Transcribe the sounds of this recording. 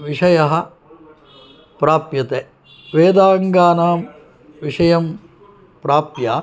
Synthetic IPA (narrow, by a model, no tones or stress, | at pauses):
ʋiʂɐjɐɦɐ̆ | pɾaːpjɐt̪eː | ʋeːd̪aːŋɡaːnaːm | ʋiʂɐjɐm | pɾaːpjaː